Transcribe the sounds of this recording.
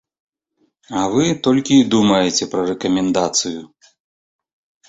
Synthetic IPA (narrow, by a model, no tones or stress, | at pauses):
ɐvɨt̪ɔlʲkʲiːd̪umɐjet͡sʲɛpɾɐrɛkɐmʲɛnd̪at̪sɨju